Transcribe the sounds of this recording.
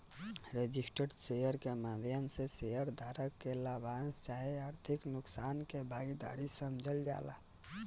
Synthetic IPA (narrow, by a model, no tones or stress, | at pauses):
ɾed͡ʒɪsʈəɖsejəɾkemaːd̪ʱjəmsesejəɾd̪ʱaːɾəkːelaːbaːnst͡ʃaːɦiaːɾt̪ʰɪknʊksaːnkebʱaːɡid̪a̰ːɾisəmd͡ʒʱəld͡ʒa̰ːla̰ː